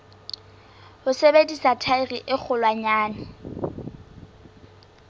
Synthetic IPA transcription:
hʊsebedisatʰairiʔɪk͡xʰʊlwaɲaːnɪ

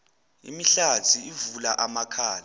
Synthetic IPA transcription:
ḭmiɬatʰiivulaʔamakʰaːla

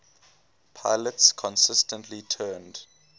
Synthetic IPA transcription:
pʰaɪlətskʰɔ̃nsɪstə̃ntʰlitʰɜːnd̥

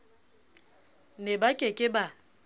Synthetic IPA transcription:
nebakʼekʼɪba

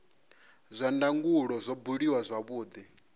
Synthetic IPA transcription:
zʷandaŋɡuɺɔzʷɔbuɺiwazʷaβuːd̪i

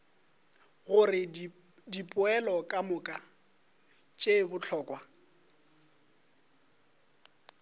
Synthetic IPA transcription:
ɣʊrɪ | dipʼʊɛlɔkʼamʊkʼa | t͡ʃʼebʊt͡ɬʰɔːkʼwa

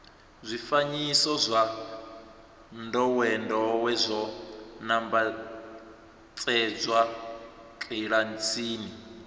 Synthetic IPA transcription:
zʷifaɲisɔzʷa | ndɔwɛndɔwɛzʷɔnamba | t͡sʼɛd͡zwa | ǁʼiɺant͡sʰiːni

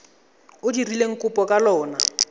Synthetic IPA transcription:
ʊdirileŋ̩kʼʊpʼɔkʼalɔːna

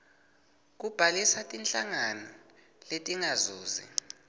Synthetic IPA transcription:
k̬ub̥ʱalisatʼint͡ɬʼaŋanɔ | letʼiŋazuːzḭ

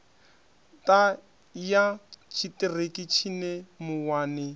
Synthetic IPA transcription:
tʼa | jat͡ʃʰitɪrekit͡ʃʰinemʊwaːnɪ

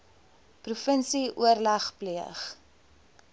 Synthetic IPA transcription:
prufənsiʔuərlɐχpliəχ

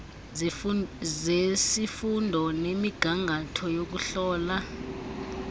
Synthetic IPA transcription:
zesifundʱɔnemiɡ̥ʱaŋʱatʰɔjok̬uɬɔːla

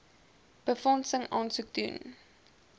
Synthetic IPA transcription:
b̥əfɔnsəŋɑːnsuk̚dṵn

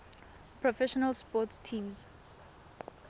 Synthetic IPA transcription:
pʰɹɔfɛʃɔnalspɔtstʰĩmz

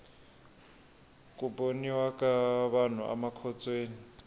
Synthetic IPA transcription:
kʼupʼoniwakaβan̤ṵʔa̰makʰɔt͡sʼweːni

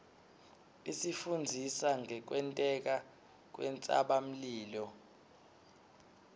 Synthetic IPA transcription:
isifund͡zʱisaŋʱɛk̬wɛntʼɛk̬a | k̬wɛnt͡sʼa̰ɓam̩liːlɔ

